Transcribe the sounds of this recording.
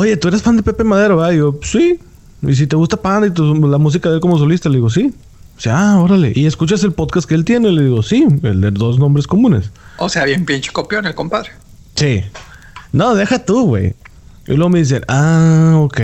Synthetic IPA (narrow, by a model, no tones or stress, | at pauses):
o̞ʝe̞t̪ueɾasfand̪epe̞pemað̞e̞ɾoβaɣosi | is̬it̪eɣust̪apanit̪ulamus̬ikaðelk̬o̞mos̬o̞list̪aleðiɣos̬i | siao̞ɾale̞ʔie̞skut͡ʃas̬e̞lpo̞ðkast̪keelt̪je̞ne̞le̞ðiɣo̞siḛld̪eðo̞znõ̞mbɾesko̞mũne̞̰soseaβjaumpjint͡ʃi̥kopjonelkompaðɾe | si | noðe̞xat̪uɣwḛj | ḭlweɣome̞ðis̬enaokej